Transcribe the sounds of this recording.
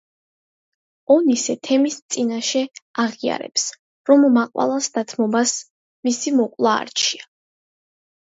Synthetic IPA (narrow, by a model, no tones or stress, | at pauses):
ɔnisɛt̪ʰɛmist̪sʼinaʃɛaʁia̰ɾɛ̰ps | ɾɔmːaqʼwa̰lˠasd̪at̪ʰmɔbas | misimɔqʼlˠa̰ːɾt͡ʃʰia